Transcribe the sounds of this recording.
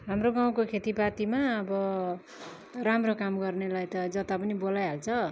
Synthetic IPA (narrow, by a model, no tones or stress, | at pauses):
ɦamroɡaw̃kokʰet̪ipat̪imaʌbʌ | ramrokamɡʌrnelajt̪ʌd͡zʌt̪apʌnibolajɦalt͡sʰʌ